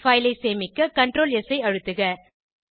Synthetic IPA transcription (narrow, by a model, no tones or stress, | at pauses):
fɐɪlɐɪseːmɪkːɯkɐɳʈɾoːlɛsɐɪɐɻɯt̪ːɯɣɐ